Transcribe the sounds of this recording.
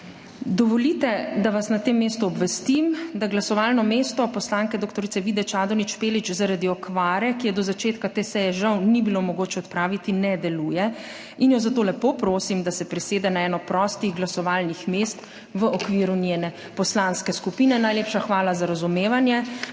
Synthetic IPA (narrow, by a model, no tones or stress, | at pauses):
d̪ɔʋɔlit̪ɛd̪aʋasnat̪eːmːeːst̪uɔbʋɛst̪imd̪aɡlasɔʋalnɔmeːst̪ɔpɔslaŋkɛd̪okt̪ɔɾit̪sɛʋid̪ɛt͡ʃaːd̪ɔnit͡ʃpeːlit͡ʃzaɾad̪iɔkʋaːɾɛkijɛd̪ɔzat͡ʃeːt̪kat̪eːsɛjɛʒawnibilomɔɡoːt͡ʃɛɔt̪pɾaːʋit̪inɛd̪ɛluːjɛ | injɔzat̪oːlɛpopɾoːsimd̪asɛpɾiseːd̪ɛnaɛːnɔpɾɔst̪iɣɡlasɔʋaːlnixmeːst̪ | ʋəʔɔkʋiːɾunʲjenɛ | pɔslanskɛskupiːnɛnajleːpʃaxʋaːlazaɾazumeːʋanjɛ